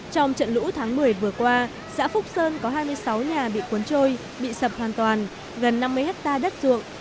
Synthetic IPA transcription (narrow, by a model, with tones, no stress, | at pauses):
t͡ɕɔ˧wŋ͡mt͡ɕə̰˧˨nlṵ˧˥t̪ʰaː˨˦ŋmɨ˨˩əjvɨ˨˩əkwaː˧ | sa̰ː˧˥fʊ˦˥k͡p̚səː˧nkɔ˨˦ɦaː˧jmɨ˧əjsa˨˦wɲaː˨˩ɓḭ˧˨ku˨˦ənt͡ɕo˧j | ɓḭ˧˨sə˨˩p̚hwaː˨˩nt̪waː˨˩n | ɣə˨˩nːa˧mːɨ˧əjhɛ˦˥k̚t̪aː˧ɗə˦˥t̚zṵ˧˨əŋ